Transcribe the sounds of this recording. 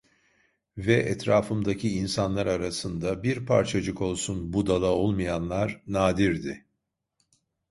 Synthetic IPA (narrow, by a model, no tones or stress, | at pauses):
vɛʔɛt̪ʰɾaːfɯmd̪acʰiinsanlˠaɾaɾasɯnd̪abiɾpʰa̰ɾt͡ʃʰad͡ʒɯko̞lˠsunbud̪alˠao̞lˠmajanlˠaɾnaːd̪iɾd̪ɪ